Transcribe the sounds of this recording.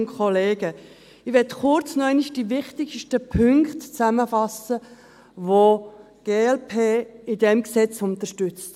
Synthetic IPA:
kʰɔleːɡə | ɪʋɛtχʊɾt͡snɔɛɪniʃd̥ivɪχtɪɡʃtəpʰʏŋktt͡sæməfɑsə | ʋo | ɡ̥eːɛlpʰeːɪdɛmksɛt͡sʊnt̪əɾʃtʏt͡st

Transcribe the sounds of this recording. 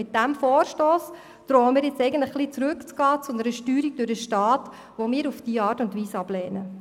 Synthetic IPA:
ɪt̚d̥æmfoːɾʃtoːs | d̥̪ɾoːəmɪːɾjɪt͡sɛɪɡəntləχχlit͡sɾʉkt͡sɡ̥ɑːt͡sʊnəɾəʃtyːɾiɡ̚d̥ʊɾəʃtɑːt | ʋomɪːɾufd̥iːəɑːɾtʊntʋiːsɑb̥lɛːnə

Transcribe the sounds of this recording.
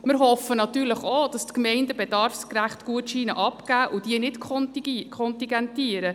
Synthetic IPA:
mɪɾɦɔfənɑtyːɾləχod̥ɑstkmɛɪndəbɛdɑɾfskɾæχtɡ̥uətʃiːnə̰ʔɑpɡ̥æːʔʊd̥iənɪtkkʰɔnt̪iɡɛntiːəɾə

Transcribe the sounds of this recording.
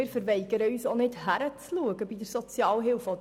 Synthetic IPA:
ɪːɾfəɾʋɛɪɡəɾəyːsonɪthæɾət͡sluəɡəbidəɾsɔt͡sjɑːlɦɪlfɔd

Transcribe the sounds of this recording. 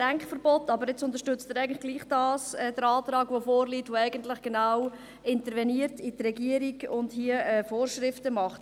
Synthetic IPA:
d̥æŋkχfəɾbɔtːɑbəɾɪt͡sʊnt̪əɾʃtʏt͡stɪɾɛɪɡntlɪχɡ̥liːχd̥ɑːsɛːd̥əɾɑːt̪ɾɑːɡvofoːɾliːtʋoɛɪɡəntlɪχɡ̥enaw | ɪntəɾvɛniːəɾtitrɛɡiəɾiɡʊndhiəɛfoːrʃɾɪftəmɑχt

